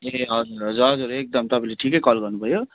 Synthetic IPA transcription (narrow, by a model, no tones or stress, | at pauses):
eɦʌd͡zuɾʌd͡ʒuɾɦʌd͡zuɾek̚d̪ʌmt̪ʌbʰʱileʈʰikekʌlɡʌɾnupʌjo